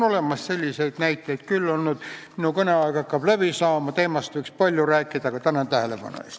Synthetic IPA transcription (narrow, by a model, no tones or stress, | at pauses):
no̞le̞mɑsse̞lʲːise̞jd̪̥næjt̪ːˑejd̪̥kylːonnyd̪̥minukɤneɑekɑkːɑb̥lævisɑːmɑt̪e̞ːmɑst̪vɤijkspɑlʲjuræːkˑːid̪̥ɑkɑt̪ænɑnt̪æhele̞pɑ̰no̰ḛst̪